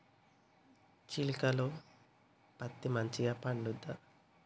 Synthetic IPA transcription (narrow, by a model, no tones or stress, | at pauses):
t͡ʃilikɐloː | pɐt̪ːimɐɲt͡ʃiɡaːpɐɳɖud̪ːa